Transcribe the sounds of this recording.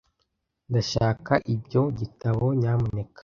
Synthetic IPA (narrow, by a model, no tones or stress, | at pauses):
ndaʃaːkaʔibɟo̞ɟitaβo̞ɲaːmune̞kḁ